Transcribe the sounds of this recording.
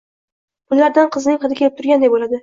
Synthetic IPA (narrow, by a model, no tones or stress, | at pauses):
bʊlːaɾd̪anqʰɨznɪŋχɨd̪ɪkʲʰelɪpt̪ʰʊɾɡʲand̪ajbolad̪ɪ